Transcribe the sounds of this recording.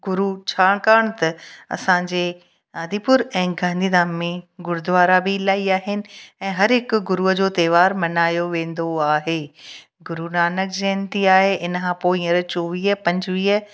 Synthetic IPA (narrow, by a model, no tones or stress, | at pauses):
ɡʊɾut͡ɕʰaːɽ̃kaːɽ̃t̪ɐɐ̰sãɲd͡ʑeː | aːd̪ʱiːpʊɾɛ̃ːɡʱãːnd̪ʱiːd̪aːmːẽɡʊɾd̪ʋaːɾabilaːiaːɦɪnɪ̆ɛ̃ːɦɐɾɦɪkɡʊɾuəd͡ʑoːt̪eːʋaːɾmɐnaːjoʋẽːn̆d̪oaːɦeː | ɡʊɾunaːnəkd͡ʑeːnt̪iaːɦeʔɪnkʰãːpoːiɐɾt͡ɕoːʋiːɦəpɐ̃ɲd͡ʑʋiːə